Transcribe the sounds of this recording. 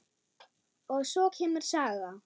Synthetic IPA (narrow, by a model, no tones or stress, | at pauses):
ɔɣsɔcʰɛːmʏɾ̥saːɣa